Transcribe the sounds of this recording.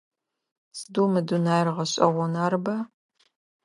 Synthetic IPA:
sdumɨdunaːjrʁɐɕʼɐ̰ʁʷɔnaːrbɐ

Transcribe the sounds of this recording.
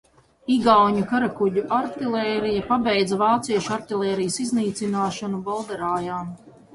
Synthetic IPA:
iɡawɲukaɾakuɟʲuʔaɾt̪ilˠɛːɾijapabɛjd̪zavaːt̪siɛʃaɾt̪ilˠʲɛːɾijsizniːt̪sinaːʃanubɔlˠd̪ɛɾaːjaːm

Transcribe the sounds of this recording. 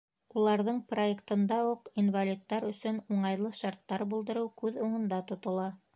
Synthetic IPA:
ulˠɑɾðɤɴproekt̪ɤ̆nd̪ɑuqinvalʲit̪ːɑɾɵ̆sɵnuɴɑjlˠɤʃɑɾt̪ːɑɾbulˠd̪ɤ̆ɾɤwkʉðuɴɤ̆nd̪ɑt̪ŏt̪ŏlˠɑ

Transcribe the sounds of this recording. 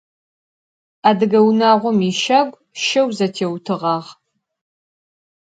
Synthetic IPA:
aːdɨɡɐwnaːʁʷɔmiʃɐɡʷ | ʃɐwzɐtʰeːwtʰɨʁɑːʁ

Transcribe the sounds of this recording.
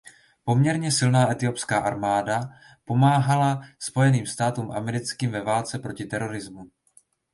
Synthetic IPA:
po̞mɲɛɾɲɛsɪlnaːʔɛt̪ɪopskaːʔaɾmaːda | po̞maːɦalaspo̞jɛniːmst̪aːt̪uːmʔamɛɾɪt͡skiːmvɛvaːlt͡sɛpɾo̞cɪt̪ɛɾo̞ɾɪzmu

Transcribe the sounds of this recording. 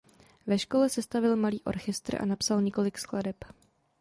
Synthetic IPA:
vɛʃko̞lɛsɛst̪avɪlmaliːʔo̞̰ɾxɛst̪r̩ʔa̰napsalɲɛko̞lɪkskladɛp

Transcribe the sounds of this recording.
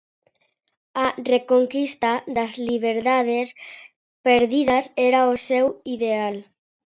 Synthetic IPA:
arekoŋkist̪aðazliβ̞eɾðað̞es | peɾðiðaseɾaosewiðeal

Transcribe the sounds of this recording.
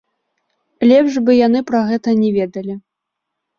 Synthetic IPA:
lʲɛpʂbɨjanɨpɾaɣɛt̪ɐnʲɛvʲeɛd̪ɐlʲi

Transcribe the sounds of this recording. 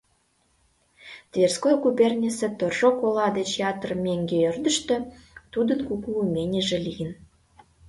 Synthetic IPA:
t̪vʲerskojɡubʲernʲisĕt̪orʒokolɑd̪ət͡ɕjɑt̪ərmʲeŋɡʲeørd̪ə̆ʃt̪ø̆t̪ud̪ə̆nkukuːmʲenʲeʒĕlijən

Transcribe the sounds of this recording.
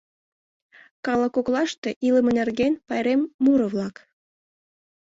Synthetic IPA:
kɑlɑkoklɑʃt̪eʔiləmə̆nerɡenpɑjɾemːuɾə̆βlɑk

